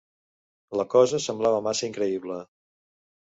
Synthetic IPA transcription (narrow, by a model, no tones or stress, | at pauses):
ləkɔzəsəmblaβəmasəiŋkɾəiβlə